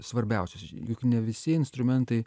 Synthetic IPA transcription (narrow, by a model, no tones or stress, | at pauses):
sʋɐɾʲbʲɛʊsʲɛsʲjokʲnʲɛʋʲɪsʲiɛɪnst̪ɾʊmʲɛnt̪ɐɪ